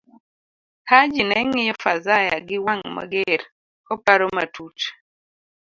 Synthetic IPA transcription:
had͡ʒinɛŋɪjɔfazaja̰ɡɪwaŋma̰ɡeɾ | kɔpaɾɔma̰tut

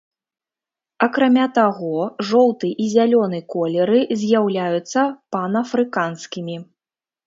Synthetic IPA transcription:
ɐkɾamʲat̪aɣɔʐɔlˠt̪ɨʔizʲalʲɔn̪ɨkɔlʲɛɾɨzʲjawlʲajut̪sːɐpɐnɐfɾɨkanskʲimʲi

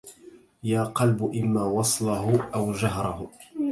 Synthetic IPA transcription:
jaːqɑlbʊʔɪmːaːwɑsˤlɑɦʊʔawd͡ʒaɦɾˤɑhʊ

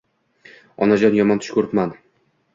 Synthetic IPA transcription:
ɒnad͡ʒɒnjɒmɒnt̪ʰʊ̥ʃkʰɵɾɪpman

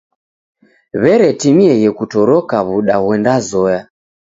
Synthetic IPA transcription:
βɛɾɛtimiɛɣɛkutɔɾɔkaβuɗaɣwɛndazɔja

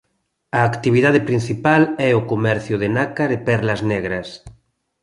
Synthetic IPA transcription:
ɐːkt̪iβiðað̞ɪpɾin̟θipalɛʊkomɛɾθjʊðɪnakaðɪpɛɾlɐznɛɣɾɐs

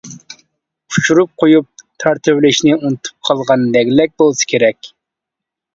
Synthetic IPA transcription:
u̥t͡ʃʰuɾup̚qʰojup̚t̪ʰɑɾt̪ʰɪvlɪʃnɪunɨt̪ʰu̥p̚qʰɑlˠʁɑnd̪ɛɡʲlɛk̚ʲbolˠsɨ̥kʲʰeɾɛkʲ

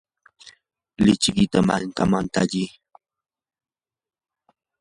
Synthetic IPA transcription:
lɪt͡ʃkɪt̪amaŋkamant̪aʎi

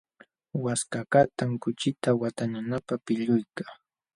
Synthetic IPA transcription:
waskakat̪aŋkʊt͡ʃɪt̪awat̪aɲanapapɪʎʊjkaː

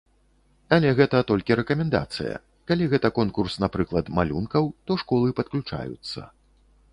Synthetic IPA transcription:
ɐlʲɛɣɛt̪ɐt̪ɔlʲkʲiɾɛkɐmʲɛnd̪a̰t̪sɨ̰jɐ̰ | kalʲiɣɛt̪ɐkɔnkursnapɾɨklˠɐt̪malʲunkɐwt̪ɔʂkɔlˠɨpɐt̪̚klʲut͡ʂa̰jṵt̪sːɐ̰

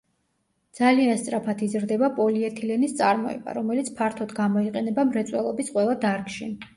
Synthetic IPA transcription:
d̪z̥alianst̪sʼɾapʰat̪ʰizɾd̪ɛbapʼɔliɛt̪ʰilɛnist̪sʼaɾmɔ̰ɛ̰ba̰ɾɔmɛlit̪sʰpʰaɾt̪ʰɔd̪ɡamɔiqʼɛnɛbamɾɛt̪sʼwɛlˠɔbisqʼwɛlˠad̪aɾkʃi

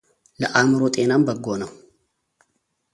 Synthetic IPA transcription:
ləʔamɨɾot̪ʼenambəɡːonɐw

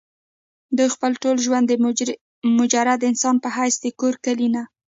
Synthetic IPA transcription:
d̪əxpəlʈolʒwand̪ə | mʊd͡ʒaɾad̪əɪnsɑnpəɦajsd̪əkoɾkəlina

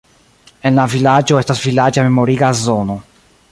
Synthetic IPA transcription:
e̞nlavilad͡ʒo̞e̞stasvilad͡ʒame̞mo̞ɾiɡazo̞no̞

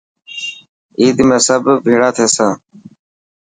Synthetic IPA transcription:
iːd̪meːsəbbʱiːɽaːt̪ʰeːsãː

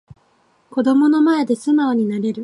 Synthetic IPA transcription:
ko̞d̪o̞mo̞no̞mae̞d̪e̞sɨnaoɲ̟inaɾe̞ɾɯ̟

